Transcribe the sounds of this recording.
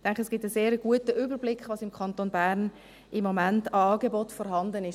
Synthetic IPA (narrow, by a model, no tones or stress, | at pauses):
d̥ɛŋkχəɛsɡ̥ɪːp̚təseːɾəɡ̥uətəʔybəɾblɪkχʋɑːsɪmkʰχɑntoːnbæɾn | ʔɪmːomæntɑɑːɡebotfɔɾɦɑndənɪʃ